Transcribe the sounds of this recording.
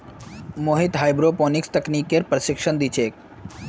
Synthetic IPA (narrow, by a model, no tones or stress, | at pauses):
moɦit̪ɦajbɾopɔnikst̪əknikeɾpɾəʃikʃond̪it͡ɕʰek